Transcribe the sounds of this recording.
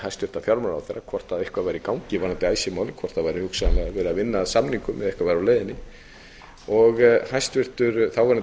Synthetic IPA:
hajst̪vɪɾt̪afjawɾmaɾa̰wθɛjrːakʰɔr̥t̪aðehkvaðvajɾikaːwŋcɪvanant̪ɪaːjsɪmaːwlɪkʰvɔr̥t̪aðvajɾihʏksalɛɣavɛːɾʏavɪnːasamniŋkʏmːɛðɛhkvavajɾawleːjðɪnɪ | ɔɣhajst̪vɪr̥t̪ʏɾθawvaɾnat

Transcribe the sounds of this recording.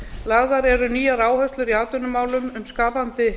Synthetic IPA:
laɣðaɾɛɾʏniːjaɾaːwhœst̪lʏɾiaːt̪ʏnʏmaːwlʏmʏmskaːpant̪ɪ

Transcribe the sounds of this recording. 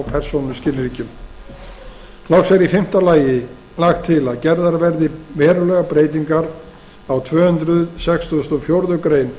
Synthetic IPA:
wpʰɛɾ̥sownʏmscɪlːɪɾiːcʏm | lawsɛɾifɪm̥t̪alaːjɪ | laxt̪ʰːɪlaðcɛɾðaɾvɛɾðɪvɛːɾʏlɛɣapɾeːjt̪̬iŋkaɾ | awt̪ʰvœːhʏnt̪ɾʏðsɛkst̪st̪ɔfjowɾðʏkɾeːjn

